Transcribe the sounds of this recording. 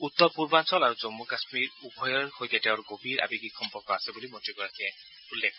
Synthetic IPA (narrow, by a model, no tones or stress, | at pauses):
ut̪ːɔpuɹbansɔlaɹuzomːukasmiɹubʱɔjɔɹxojkɛteʊ̃ɾɡobʱiɹʔa̰biɡixʰɔmpɔɹkɔasɛbulimotiɡɔɹakʰiɛ | ulːekʰ